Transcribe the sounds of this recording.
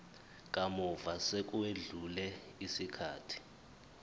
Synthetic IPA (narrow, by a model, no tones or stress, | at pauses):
k̬ʼamɔvasek̬ʼueɮulɛ | isikʰaːtʰi̥